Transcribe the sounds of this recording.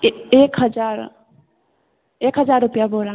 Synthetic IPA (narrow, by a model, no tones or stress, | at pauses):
ekɦəd͡ʒaɾ | ekɦəd͡ʒaɾːupijaboɾa